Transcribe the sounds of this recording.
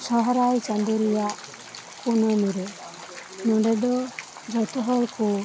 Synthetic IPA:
sɔɦɔɾajt͡ʃand̪uɾɛjaʔ | kunɔmuɾɛ | nɔɖɛd̪ɔ | d͡ʒɔt̪ɔɦɔlku

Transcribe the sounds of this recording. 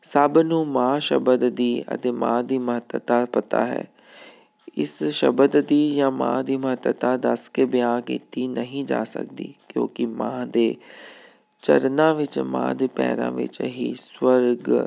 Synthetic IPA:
səbnũːmãːʃəbəd̪d̪iːə̰t̪eːmãːd̪iːməɦət̪wət̪aːpət̪a̰ːɦɛ̰ː | ɪsʃəbəd̪d̪iːjãːmã̰ːd̪iːməɦət̪ʋət̪aːd̪əskebɪjãːkḭːt̪iːnəɦĩːd͡ʒa̰ːsə̰k̚d̪iːkjõ̰ːkɪmãːd̪eː | t͡ʃə̰ɾnãːʋɪt͡ʃmã̰ːd̪eːpɛ̰ːɾã̰ːʋɪ̰t͡ʃɦiːswəɾɡ

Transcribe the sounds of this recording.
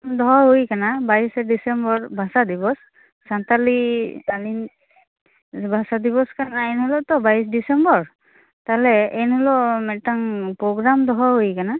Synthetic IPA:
mdɔɦaɦojkanabaisɛdisɛmbɔɹbʱasadibɔs | santalialin | bʱasadibɔskanaɛnhɔlɔtɔbaisdisɛmbɔɹ | talɛɛnhɔlɔmɛtaŋpɹɔɡɹamdɔɦaɦojkana

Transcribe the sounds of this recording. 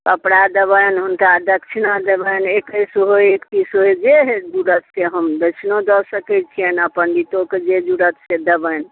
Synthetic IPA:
kəpɽad̪əbəjnɦunkad̪ək̚t͡ʃʰinad̪ebənekəjsuɦojekt̪isoed͡ʒeɦed͡ʒuɾət̪seɦəmd̪ət͡ʃʰnod̪ɔsəkɛt͡ʃʰijənəpənɖit̪oked͡ʒed͡ʒuɾət̪sed̪əbən

